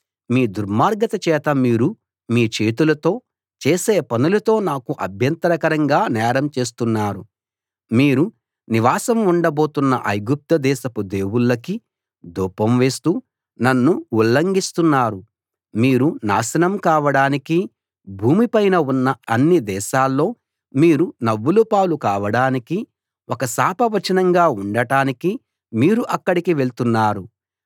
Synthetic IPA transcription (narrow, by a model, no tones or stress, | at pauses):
miːd̪uɾmaːɾɡɐt̪ɐt͡ʃɛːt̪ɐmiːɾu | miːt͡ʃe̞ːt̪ulɐt̪o̞ː | t͡ʃeːseːpɐnulɐt̪o̞ːnaːkuʔɐbʱjɐnt̪ɐɾɐkɐɾɐŋɡaːnɛːɾɐmt͡ʃe̞ːs̬t̪unːaːɾu | miːɾu | niʋaːsɐmuɳɖɐbo̞ːt̪unːɐ̰ʔɐjɡup̚t̪ɐd̪ɛːʃɐpud̪e̞ːwuɭːɐki | d̪uːpːɐmʋe̞ːst̪uː | nɐnːuulːɐŋɡist̪unːaːɾu | miːɾuna̰ːʃɐnɐmkaːʋɐɽaːniki | bʱuːmipɐjnɐunːɐɐnːid̪ɛːʃaːlːo̞ː | miːɾunɐʋːulupaːlukaːʋɐɽaːniki | ɔkɐsaːpɐʋɐt͡ʃɐnɐŋɡaːuɳɖɐʈaːniki | miːɾuʔɐkːɐɽikiʋe̞ɭt̪unːaːɾu